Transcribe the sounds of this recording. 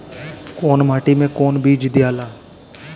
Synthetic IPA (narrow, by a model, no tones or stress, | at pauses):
koːnmaːʈimẽkoːnbʱiːd͡ʒd̪ɪjaːlaː